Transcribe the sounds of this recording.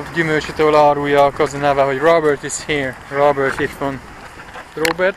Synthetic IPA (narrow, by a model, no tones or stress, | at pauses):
vɟymølt͡ʃet̪øːlɒːɾuːjːɒːkɒzɔnaːvaːɦo̞ɟrobɛrt̪izhiːɹrobɛrt̪it̪ʋon | robɛrt̪